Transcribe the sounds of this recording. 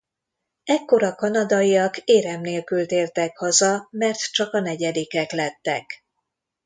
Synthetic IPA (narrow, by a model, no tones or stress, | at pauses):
ɛkːo̞ɾɒkɒnɒd̪ɒijɒkeːɾɛmneːlkylt̪eːrt̪ɛkhɒzɒmɛrt̪t͡ʃɒkɒnɛɟɛd̪ikɛklɛt̪ːɛk